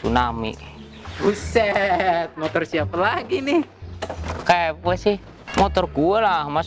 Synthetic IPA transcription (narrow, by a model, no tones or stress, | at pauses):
unamḭ | busɛt̪̚mɔt̪ɔrsiapalaɡinɪh | kapuəsih | mɔt̪ɔrɡuəlahmas